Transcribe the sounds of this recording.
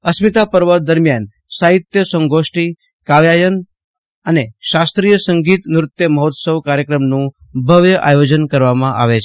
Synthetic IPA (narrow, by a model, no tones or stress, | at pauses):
əsmit̪apəɾʋəd̪əɾmjan | saɦit̪jəsə̃ŋɡoʃʈi | kaʋjajən | əneʃast̪ɾijəsəŋɡit̪nɾʊt̪jəməɦot̪səʋkaɾjəkɾəmnũ | bʱəʋjəʔajod͡ʒənkəɾʋamãʔa̰ʋet͡ʃʰ